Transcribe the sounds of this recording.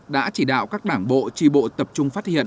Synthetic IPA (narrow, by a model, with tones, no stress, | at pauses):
ɗa̰ː˧˥t͡ɕi˧˩ɗa̰ː˧˨wkaː˦˥k̚ɗaː˧˩ŋɓo̰˧˨t͡ɕi˧ɓo̰˧˨t̪ə˨˩p̚t͡ɕʊ˧ŋ͡mfaː˦˥t̚hḭ˧˨ən